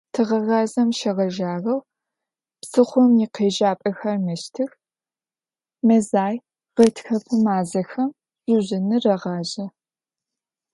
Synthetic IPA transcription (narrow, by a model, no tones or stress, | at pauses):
tʰɨʁɐɣɑːzɐmʃɐʁɐʒaːrɐw | psɨχʷʊmjɪqeːʒaːpʼɐxɐrmɨʃtʰɨx | mɐzaːj | ʁɐtʰxɐpʰɨmaːzɐxɐm | ʑ̥ʷʊʑɪnɨrɐʁɑːʑɐ